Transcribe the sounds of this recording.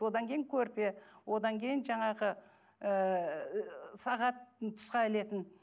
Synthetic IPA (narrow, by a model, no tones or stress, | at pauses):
o̞d̪ɑŋkʲʰejɪŋkʲʰɵɾpewo̞d̪ɑŋkʲʰe̞jɪnʒɑɴɑʁə | ə | sɑʁɑt̪̚t̪ʰʊ̥sqɑɪle̞t̪ɪn